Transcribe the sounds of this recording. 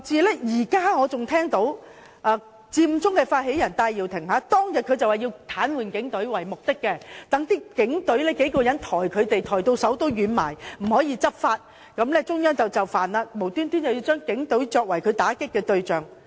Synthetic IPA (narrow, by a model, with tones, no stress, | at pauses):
t͡siː˧lɛː˥jiː˨˩kaː˥ŋɔː˨˧t͡sʊ˨ŋt̪ʰɛː˥ŋt̪o˨˥w | ʔaː˧ | t͡siː˧m˧t͡sʊ˥ŋkɛ˧faː˧t̚he˨˥jɐ˨˩nt̪aː˧jːi˨wt̪ʰɪ˨˩ŋhaː˨˥t̪ɔː˥ŋjɐ˨t̚kʰɵ˨˧ɥt͡sɐ˨whaː˨˩ji˧wt̪ʰaː˨˥nwuː˨˩nkɪ˨˥ŋt̪ɵ˨˥ɥwɐ˨˩jmʊ˨k̚t̪ɪ˥kːɛ˧t̪ɐ˨˥ŋt̪iː˥kɪ˨˥ŋt̪ɵ˨˥ɥlɛː˥ke˨˥jkɔː˧jɐ˨˥nt̪ʰɔː˨˩jkʰɵ˨˧ɥt̪e˨jt̪ʰɔː˨˩jt̪o˧wsɐ˨˥wt̪o˥wjyː˨˧nma̰ː˨˩jm̩˨˩hɔː˨˥jiː˨˧t͡sɐ˥p̚faː˧t̚ | kɐ˨˧˥mlɛ˥t͡sʊ˥ŋjœː˥ŋt͡sɐ˨wt͡sɐ˨wfaː˨nlaː˧mo˨˩wt̪yː˥nt̪yː˥nt͡sɐ˨˩wjiː˧wt͡ʃœː˥ŋkɪ˨˥ŋt̪ɵ˨˥ɥt͡ʃɔː˧k̚wɐ˨˩jkʰɵ˨˧t̪aː˨˥kɪ˥kːɛː˧t̪ɵ˧ɥt͡ʃœː˨˩ŋ